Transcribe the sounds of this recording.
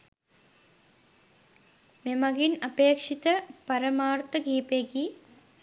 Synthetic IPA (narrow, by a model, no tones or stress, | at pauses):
memɐɡinɐpeːkʂit̪əpɐɾɐmaːrt̪ɐɡiːpeɡi